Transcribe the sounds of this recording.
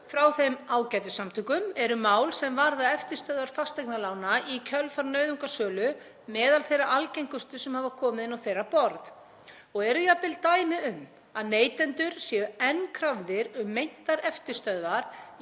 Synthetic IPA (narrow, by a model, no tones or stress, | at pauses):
fɾawθejmaːwcaːjt̪ʏsamt̪ʰʏkʏmɛɾʏmaːwlsɛmvaɾðaɛft̪ɪ̥st̪œðvaɾ̥fast̪ɛknalaːwnaicʰœlfaɾnœːɥðuŋkasœːlʏ | mɛːðalθejrːaʔalcejŋkʏst̪ʏsɛmhaːvakʰɔːmɪðɪnawθejrːapɔɾð | ɔɣɛɾʏjap̪ɪlt̪aːjnɪʏm | aðneːjt̪ɛnt̪ʏɾ̥sjɛʏɛnkʰɾavðɪɾʏmːejn̥t̪aɾɛft̪ɪ̥st̪œðvaɾ̥